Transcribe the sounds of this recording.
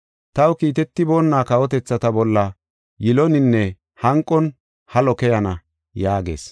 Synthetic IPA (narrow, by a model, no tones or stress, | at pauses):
t̪ɐwkiːt̪ɛt̪ːɪbo̞ːnːaːkɐwɔt̪ɛt͡sːɐt̪ɐbɔlːɐ | jɪlɔnɪnːɛ | hɐŋkʼːɔn | hɐlɔkɛjɐnɐ | jaːɡḛːs